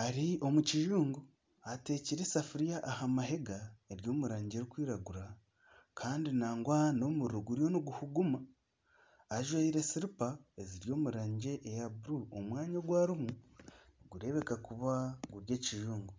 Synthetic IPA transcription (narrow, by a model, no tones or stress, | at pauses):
aɾio̞muciʒuːŋɡo | ate̞ciɾesafuɾijaʔːhamaɦe̞ɡae̞ɾjo̞ːmuɾaːɲɟe̞ɾikwiːɾaɡuɾa | kʰaːndinaːŋɡwano̞muɾɾuɡuɾjo̞niɡuhuɡumaː | ʒwaiɾe̞siɾipae̞ziɾjo̞ːmuɾaːɲɟe̞ʔejabuɾuomwaːɲaɡwaːɾumuniɡuɾe̞βe̞kakuβaɡuɾje̞ːciʒuːŋɡo